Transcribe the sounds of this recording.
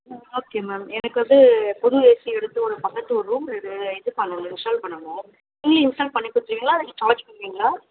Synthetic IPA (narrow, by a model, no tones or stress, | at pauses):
oːkːeːmeːmɛnɐkːɯʋɐnd̪ɯpɔɾʊeːsiɛɽɯt̪ːɯɔɾɯpɐkɐʈːɯɔɾɯɾuːmlɪɽɯɛðɯpɐnɐlɪnsʈɐːlpɐɳːɐŋɐ̃ː | ɪŋɡliɪnsʈaːlpɐɳːɪpːɯːɪt̪ːɪɾɯʋiːŋɡɭlaːɐðɯkːɯkaːlɐd͡ʒpːɐɽɯʋiːŋɡɐɭaː